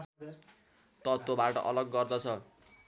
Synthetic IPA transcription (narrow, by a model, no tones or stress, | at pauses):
t̪ʌt̪obaʈʌ̰ʔʌlʌɡːʌrd̪ʌt͡sʰʌ